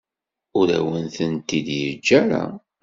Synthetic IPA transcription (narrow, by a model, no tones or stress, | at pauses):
ʊɾæ̰wənθənt̪ːid̪jəd͡ʒːæɾa̰